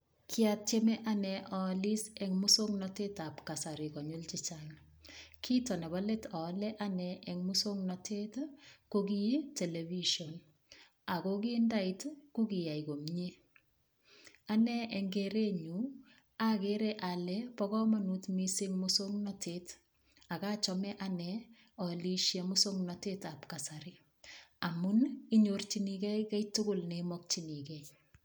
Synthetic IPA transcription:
kʰjat̚t͡ʃemɛʔanɛʔɔlisɛŋmʊsoŋnɔtetapkasaɾikɔɲult͡ʃɪt͡ʃaŋ | kʰitɔnɛbaletɔlɛʔanɛɛŋmʊsoŋnɔtʰetkoɡijeteleviʃɔn | akokindaitkukijaiɡomɲe | anɛʔɛŋɡɛɾeɲu | akeɾɛʔalɛpɔkɔmanutmisɪŋmʊsoŋnɔtet | akat͡ʃɔmɛʔanɛ | ɔliʃjamʊsoŋnɔtetapkasaɾi | amʊniɲort͡ʃinikɛjkajtʊɡʊlnemɔk̚t͡ʃinikɛj

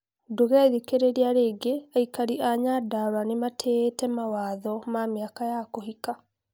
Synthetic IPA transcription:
doɣaiðikeɾeɾiaɾeːɡeaikaɾiʔaɲadaɾanematʰetɛmawaːðɔmamiakajakohika

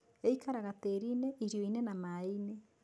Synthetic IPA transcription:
eikaɾaɣateɾineʔiɾjoinenamaine

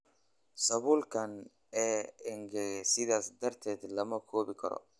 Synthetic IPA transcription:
sɐβʊlkʰɐn | ɛːɪŋɡɛsɪðaːsd̪ɐrt̪ʰɛːd̪lɐmɐkʰɔːβɪkʰɐ̰ɾɔ̰

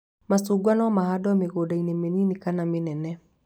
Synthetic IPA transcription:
masuːɡwanɔmahadɔmeɣoːdainemeninikanamenɛnɛ

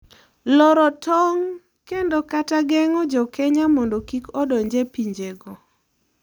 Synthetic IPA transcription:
lɔɾɔtɔŋ | kendɔkataɡɛŋɔd͡ʒɔkɛɲamɔndɔkikɔdɔɲd͡ʒepiɲd͡ʒeɡɔ

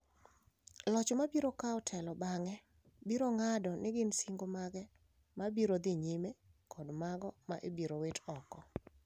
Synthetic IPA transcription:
lɔt͡ʃmabiɾokaɔtʰɛlɔbaŋɛ | biɾoŋadɔnɪɡɪnsiŋɡomaɡɛ | mabiɾod̪ɪɲimekʰɔdmaɡɔmaʔebiɾowetɔkɔ

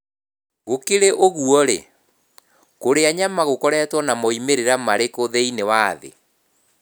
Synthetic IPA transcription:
ɣokeɾeʔoɣuɔɾḛ | koɾeaɲamaɣokɔɾɛːtwɔnamɔimeɾeɾamaɾekoðeinewaðḛ

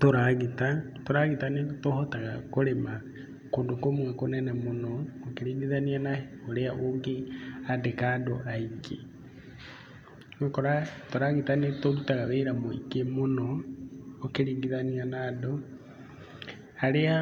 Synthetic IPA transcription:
toɾaɣita | toɾaɣitanetohotaɣakoɾema | koːndokomwɛkonɛnɛmonɔokeɾiːŋɡiðanianaoɾeaʔoŋɡeadekadɔʔaiɡe | mekoɾatoɾaɣitanetoɾutaɣaβeiɾamoḭkemonɔː | keɾiːŋɡiðanianaːdɔ | aɾea

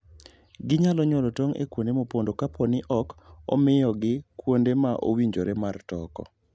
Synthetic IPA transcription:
ɡɪɲalɔɲɔlɔtoŋḛkwondemopondokapʰonɪʔɔkɔ̰mɪjɔɡɪkwondemaʔo̰wiɲd͡ʒoɾemartɔkɔ̰

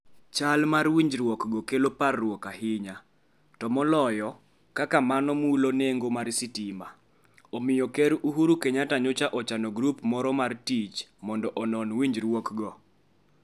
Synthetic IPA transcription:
t͡ʃalmaɾwiɲd͡ʒɾwɔkɡɔkeloparːwɔkaɦɪɲa | tɔmɔlɔjɔ | kakamanɔmuloneŋɡomaɾsitima̰ | omɪjɔkɛɾuɦuɾukeɲataɲot͡ʃaʔɔt͡ʃanɔɡɾupmɔɾɔmartit͡ʃmɔndɔʔɔnɔnwiɲd͡ʒɾwɔkɡɔ

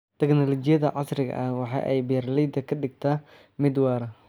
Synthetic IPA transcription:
t̪ʰɛɡnɔlɔt͡ʃɪjɐðɐ̰ʕɑsrɪɣɐ̰ʔɐhwɑħɑ̰ːʔɛ̰jbirlid̪ɐkʰɐɖɪɡ̚t̪ʰaː | mɪd̪wɑːɾɐ

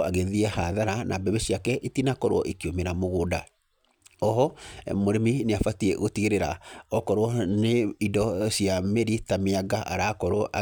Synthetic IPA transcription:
aɣeðiɛhaðaɾanʔabɛβeɕiakɛʔetinakɔɾo̰ɔʔekiomeɾamoɣoːda | ɔɦɔmoɾemineafatiɛ̰ɣotiɣeɾeɾa̰ɔkɔɾowɔneidɔsjameɾitameaɡaʔaɾakɔɾoɔʔa̰

